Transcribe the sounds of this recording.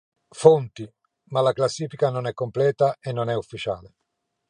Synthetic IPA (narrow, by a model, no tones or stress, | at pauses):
font̪i | malaklasːiːfikanonɛkːomplɛːt̪aenːonɛufːit͡ʃa̰ːle